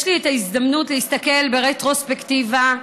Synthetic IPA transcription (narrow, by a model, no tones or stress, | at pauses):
ʃlietaizd̪amnutlehist̪ake̞lbeʁet̪ʁo̞spektiva